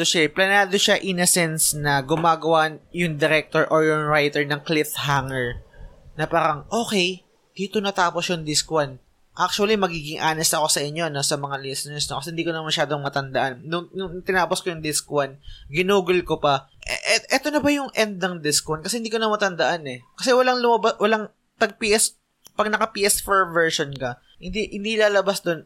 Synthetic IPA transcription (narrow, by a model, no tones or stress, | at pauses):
oʃaɛplɐnaːd̪oʃaʔɪnɐsɛnsnɐɡʊmaːɡɐwajʊŋd̪ɛɾɛk̚t̪oɹʔoɹjʊŋɹajt̪ɛɹnɐŋklɪt̪haŋɛɹnɐpaːɾɐŋʔo̞ːkɛj | d̪̥iːt̪onɐt̪aːposjʊŋd̪ɪskwɐn | ʔak̚t͡ʃuɐlimɐɡiːɡɪŋʔaːnɛst̪ɐko̞sɐʔɪɲːo̞no̞sɐmɐŋalisɛnɛɹsnokɐsɛhɪnd̪iːkonɐmɐʃaːd̪oŋmɐt̪ɐnd̪ɐʔanːʊŋjʊŋt̪ɪnaːposkojʊŋd̪ɪskwanɡɪnuːɡʊlkopɐ | ʔʔɛʔɛt̪o̞nɐbɐjʊŋʔɛnd̪̚nɐŋd̪ɪskwankɐsɛhɪnd̪iːkonɐmɐt̪ɐnd̪ɐʔanɛkɐsɛwɐlaŋlʊmɐbawɐlaŋ | pɐɡ̚piːʔɛs | pɐɡ̚nɐkɐpiːʔɛsfɛɹmvɛɹʃonkɐ | hɪnd̪ihɪnd̪ilaːlɐbasd̪o̞n